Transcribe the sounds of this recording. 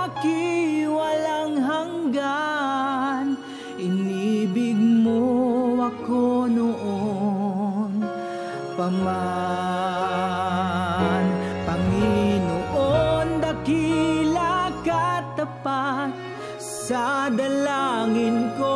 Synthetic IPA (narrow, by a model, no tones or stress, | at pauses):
kiwɐlaŋɦaŋɡa | n | ʔɪnibɪɡ̚moakonoʔo | n | pɐma | npɐŋinoʔond̪akilakat̪apat̪̚ | sɐd̪ɐlaŋɪnko